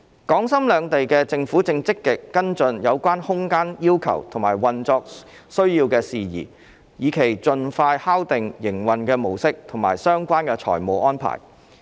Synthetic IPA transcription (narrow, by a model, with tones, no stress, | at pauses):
kɔː˨˥ŋsɐ˥mlœː˨˧ŋt̪e˨jkɛː˧t͡sɪ˧ŋfuː˨˥t͡sɪ˧ŋt͡sɪ˥kːɪ˨kːɐ˥nt͡sɵ˧njɐ˨˧wkʷaː˥nhʊ˥ŋkaː˥njiː˥wkʰɐ̰˨˩wt̪ʰʊ˨˩ŋmaː˨˩jwɐ˨nt͡sɔː˧k̚sɵ˥ɥjiː˧wkɛː˧siː˨jḭː˨˩ | jiː˨˧kʰe˨˩jt͡sɵ˧nfaː˧jhaː˥wt̪ɪ˨ŋjɪ˨˩ŋwɐ˨nkɛː˧mo˨˩wsɪ˥k̚t̪ʰʊ˨˩ŋmaː˨˩jsœː˥ŋkʷaː˥nkɛː˧t͡ʃʰɔ̰ː˨˩jmo˨˧wʔɔː˥npʰa̰ː˨˩j